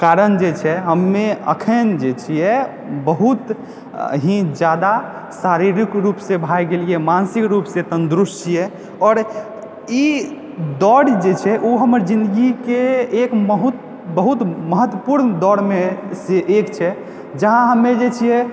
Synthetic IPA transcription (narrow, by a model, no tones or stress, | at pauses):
kaɾənd͡ʒet͡ʃʰɛɦəmːeə̰kʰənd͡ʒet͡ʃʰijɛ | bəɦut̪ | ɦĩd͡ʒjad̪a | saɾiɾikɾupsẽbʱajɡeliɛmansikɾupsẽsənd̪ɾust͡ʃʰijɛ | ɔːɾ | i | d̪ɔɽd͡ʒet͡ʃʰɛʔoɦəməɾd͡ʒĩnd̪əɡikeekməɦut̪ | bəɦut̪məɦət̪wəpuɾnd̪ɔɽmeseʔekt͡ʃʰɛ | d͡ʒəɦãɦəmːed͡ʒet͡ʃʰijɛ